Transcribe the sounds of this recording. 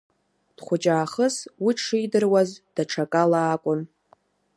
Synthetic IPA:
d̥χʷʊt͡ʃʼaːχəswiʂʰɨjdɨrwazd̥aʈ͡ʂʰakʼalaːkʷʼʊn

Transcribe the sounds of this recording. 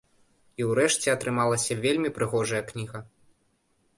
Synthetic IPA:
iwɾɛʂt͡sʲɛɐt̪ɾɨmalˠɐsʲɐvʲelʲmʲipɾɨɣɔʐɐjɐknʲiɣɐ

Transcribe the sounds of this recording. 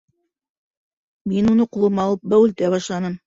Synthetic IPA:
minunɤqulˠɤmɑlˠɤp̚bæwɘ̆lt̪æβɑʃlˠɑnɤm

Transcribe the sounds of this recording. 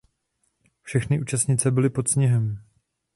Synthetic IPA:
fʃɛxnɪʔuːt͡ʃast̪ɲɪt͡sɛbɪlɪpo̞t̪sɲɛɦɛm

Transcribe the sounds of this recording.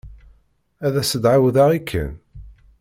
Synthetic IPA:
æðæsəd̪ʕawðaʁikʰːə̰n

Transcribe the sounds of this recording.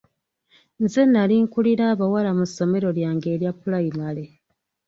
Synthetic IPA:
nzenːaliŋkuliɾaːβawalamuso̞me̞ɾo̞ljaːŋɡe̞ːɾjapːulaimale̞

